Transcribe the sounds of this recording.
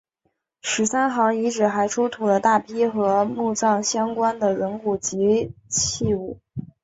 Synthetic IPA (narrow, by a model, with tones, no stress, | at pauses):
ʂɻ̩˧˥sa˥nxɑ˧˥ŋi˧˥ʈ͡ʂɻ̩˨˩xa˧˥ɪʈ͡ʂʰu˥t̪ʰu˨˩lə˦t̪a˥˩pʰi˥xɤ˧˥mu˥˧t͡sɑ˥˩ŋɕjɑ˥ŋkwa˥nd̪ə˨ɻə˧˥nku˨˩t͡ɕi˧˥t͡ɕʰi˥˧u˥˩